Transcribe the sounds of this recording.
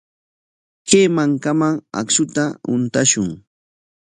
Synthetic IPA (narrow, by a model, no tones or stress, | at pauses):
keːmaŋkamaŋa̰kʃʊt̪aʊ̰nt̪aʃʊŋ